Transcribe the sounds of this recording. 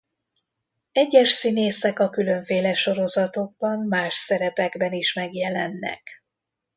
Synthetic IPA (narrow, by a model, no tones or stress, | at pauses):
ɛɟːɛʃsineːsɛkɒkylø̞ɱfeːlɛʃo̞ɾo̞zɒt̪o̞ɡ̚bɒnmaːʃsɛɾɛpɛɡbɛniʃmɛɡjɛlɛnːɛ̰k